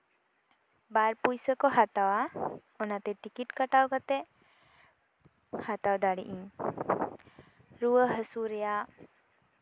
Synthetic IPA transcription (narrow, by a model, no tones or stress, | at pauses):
baɾpujsəkɔhat̪awa | ɔnat̪ɛʈikiʈkəʈawkat̪ɛ | hat̪awd̪aɽḭʔĩ | ɾuwəɦəsuɾɛjaʔ